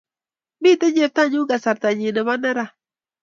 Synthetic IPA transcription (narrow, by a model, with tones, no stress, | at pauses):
mi˦˨t̪ɛ˦ɲe˨p̚t̪a˦ɲu˦ɡa˨sa˨ɾt̪a˨ɲi˨nɛ˨ma˦nɛ˦ɾa˨